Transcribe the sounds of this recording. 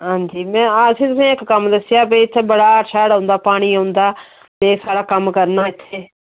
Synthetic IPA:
ɦãːɲd͡ʒiːmɛ̃ːsĩːt̪ʊsĩːɪkkəmd̪əsɪjaːbeːɪt̪ʰːbəɽaːəʃʰaːɽãʊnd̪aːpaːɽ̃iːãːʊnd̪aː | t̪eːsaːɽaːkəmkəɾnaːɪt̪ʰːeː

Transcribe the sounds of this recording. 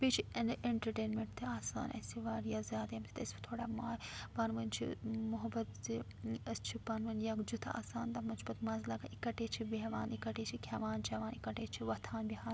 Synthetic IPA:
pit͡ʃʰiɐnʔeɳʈɐɾʈeːnmeɳʈt̪ʰiaːsa̰ːnʔɐ̰siʋaːɾjazʲjaːd̪ɐmt͡ʃʰi̥t̪ɐsbi̥t̪ʰoːɽaːmaːpɐnʋɐnt͡ʃʰḭmʊɦɐbɐt̪zi | ɐst͡ʃʰipɐnʋɐnjakd͡ʒut̪ʰɐa̰ːsaːnt̪ɐmɐnt͡ʃʰbɐt̪mɐnzlɐɡaʔikɐʈeːt͡ʃʰibeɦʋaːnikɐʈeːt͡ʃʰikʰɐʋaːnt͡ʃʰɐʋaːnikɐʈeːt͡ʃʰiʋɐt̪ʰaːnbʲiɦaːn

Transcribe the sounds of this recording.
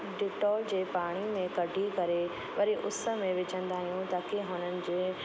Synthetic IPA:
ɖɪʈɔːld͡ʑeːpaːɽ̃imẽkɐɖʱikɐɾe | ʋɐɾiʔʊsə̆mẽʋɪt͡ɕə̃nd̪aːɦijũt̪ɐkeɦʊnənɪ̆d͡ʑeː

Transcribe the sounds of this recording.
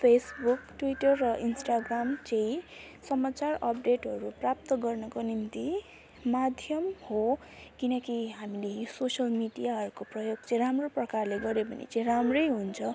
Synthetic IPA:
pʰesbukʈwiʈʌrːʌʔinsʈaɡramt͡saĩ | sʌmat͡sarʌp̚ɖeʈɦʌɾuprap̚t̪ʌɡʌrnʌkonint̪i | mad̪ʱjʌmho | kinʌkiɦamilesosʌlmiɖijaɦʌɾukoprʌjoɡ̚t͡sʌ̃ĩɾamroprʌkarleɡʌɾepʌnḭt͡sãĩramrʌjɦunt͡sʰʌ

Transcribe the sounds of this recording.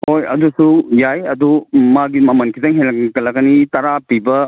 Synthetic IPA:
hojɐ̰dusujajɐdumaɡimɐmɐnkʰitɐŋɦenlɐkɐlɐɡɐnitɐɾapibɐ

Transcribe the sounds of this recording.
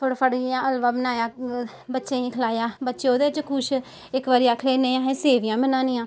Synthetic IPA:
pʰəɽpʰəɽjãːəlʋaːbənaːjaː | bətːʃeːĩːkʰəlaːjaːbətːʃeoːd̪eːɪt͡ʃkʰʊʃ | ɪkʋaːɾijaːkʰəleːneːjãːɦẽːseːʋɪjãːbənaːnĩjãː

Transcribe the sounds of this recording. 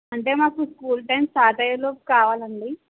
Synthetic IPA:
ɐɳʈeːmaːkuskuːlʈemsaːʈɐjɐloːpkaːʋaːlɐɳɖi

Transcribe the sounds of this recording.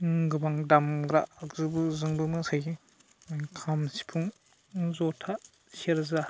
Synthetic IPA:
ɡɯbaŋdamɡɾaːkzɯbɯzɯŋbɯmɯsaj | kʰamsi̥pʰuŋ | zɔtʰa | seɾza

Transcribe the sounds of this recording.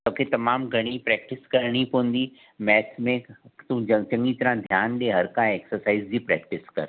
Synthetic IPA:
t̪oːkʰet̪ɐmaːmɡʱɐɽ̃ipɾɛːk̚ʈɪskɐɾɽ̃ipõn̆d̪iː | mɛːsmẽt̪ũt͡ɕɐ̃ŋɡit̪ɐɾãd̪ʱjaːnɗeɦɐɾkaeksəɾsaːizd͡ʑiːpɾɛ̰ːk̚ʈɪskɐ̰ɾ

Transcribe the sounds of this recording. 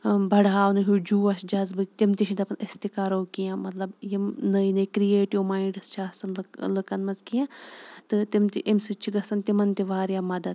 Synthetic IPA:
bʱɐɽaːnɨɦuːd͡ʒuːɐʃd͡ʒɐzbɨt̪imt̪iʃid̪ɐpɐnɪst̪ikaːɾoːkijãmɐt̪lɐbjimnɐinɐkɾijeːʈiʋmaːiɳɖɨst͡ʃʰaːsɐnlɨkɐnmɐnzkijãːt̪ɨt̪imt̪iʔimsɨt͡ʃʰiɡɐsɐnt̪imɐnt̪iʋaːɾjamɐd̪ɐd̪

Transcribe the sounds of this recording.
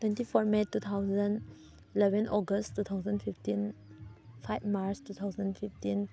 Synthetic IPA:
twɛ̃ntipʰɔɾmetːut̪ʰawzən | ilɛbʱɛnɔɡəsttːut̪ʰawzənpʰiftin | pʰajbmaɾstut̪ʰawzənpʰiftin

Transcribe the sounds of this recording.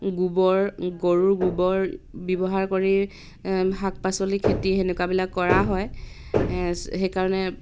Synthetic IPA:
ɡubɔɹɡoɹuɹɡubɔɹbɔbɔɦaɹkoɹi | ɦak̚pasolikʰetiɦenʊkabilakːɔɹaɦɔj | xejkaɹɔnɛ

